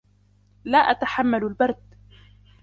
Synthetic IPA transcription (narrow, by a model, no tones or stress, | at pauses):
laːʔat̪aħamːalalbɑɾˤd̪